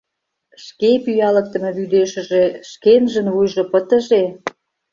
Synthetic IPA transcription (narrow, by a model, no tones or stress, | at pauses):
ʃkepyjɑlə̆k̚t̪ə̆mĕβyd̪eʃə̆ʒeʃkenʒə̆nβujʒopət̪ə̆ʒe